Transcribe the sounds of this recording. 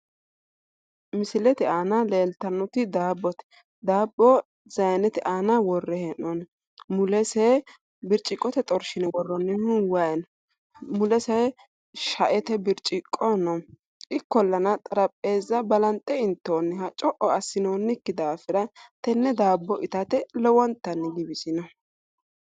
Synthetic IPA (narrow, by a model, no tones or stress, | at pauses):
mɪsɪlɛt̪ɪaːnɐle̞ːlt̪ɐnːɔt̪ɪd̪aːbːɔt̪ɛ̥ | d̪aːbːɔ | zɐjnɛt̪ɪʔaːnɐwɔrːɛhɛnːɔn | mʊlɛsɛ | bɪɾt͡ʃʼɪkʼːɔt̪ɛt̪ʼɔɾʃɪnɛwɔrːɔnːɪhʊnwɐʔɛn | mʊlɛsɛ | ʃɐʔɛt̪ɛbɪɾt͡ʃʼɪkʼːɔnɔ | ʔɪkːɔlːɐnɐt̪ʼɐɾɐpʼːe̞ːzːɐbɐlɐnt̪ʼɛɪnt̪ːoːnːɪhɐt͡ʃʼɔʔɔɐsːɪnoːnːɪkːɪd̪aːfɪɾɐt̪ɛnːɛd̪aːbːɔʔɪt̪ɐt̪ɛlɛwɔnt̪ːɐnːɪɡɪbɪsɪnɔ